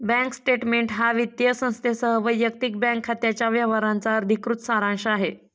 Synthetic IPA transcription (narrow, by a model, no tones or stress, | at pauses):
bɛ̃ŋksʈeʈmeɳʈɦaʋit̪jəsə̃st̪ʰesəɦəʋəjːək̚t̪ik̚bɛ̃ŋkʰːat̪jat͡ɕjaʋjəʋaɾant͡saəɾd̪ʱikɾut̪saɾãnɕəaɦe